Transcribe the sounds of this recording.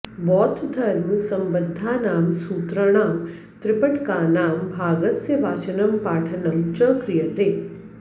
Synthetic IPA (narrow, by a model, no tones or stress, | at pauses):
bɔːt̪ʰd̪ʱʰəɾnũsɐmbəd̪ʱːaːnaːmsuːt̪ɾəɽ̃aːm | t̪ɾɪpəʈkaːnaːmbʱaːɡəsjəʋaːt͡ʃənəmpaːʈʰənəmt͡ʃəkɾijət̪eː